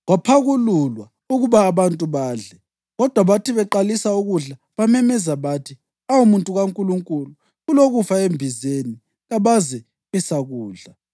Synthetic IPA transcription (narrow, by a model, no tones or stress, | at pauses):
ɣwapʰaɣululwa | uɣuβaːβantʼuβaːɮɛ | ɣɔd̥ʱwaβatiβɛǃalisauɣuɮa | βamɛmɛzaβatʰi | awumuntʼuɣaŋkʼuluŋkʼulu | ɣuloɣufaembʱizeni | ɣaβazɛ | βɛsaɣuːɮa